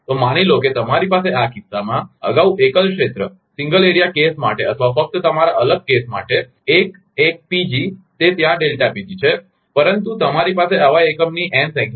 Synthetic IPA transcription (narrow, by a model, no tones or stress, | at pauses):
t̪omaɽ̃iloket̪əmaɾipaseʔakisːamãə̰ɡauʔekəlkʂet̪ɾə | sĩŋɡəleɾijakesma̰ʈeət̪ʰʋafək̚t̪ət̪əmaɾaʔələɡ̚kesma̰ʈeː | k̚ | ek̚pid͡ʒit̪et̪jãɖelʈapid̪it͡ʃʰe | pəɾənt̪ut̪əmaɾipaseəʋaekəmniʔɛ̃sɛ̃k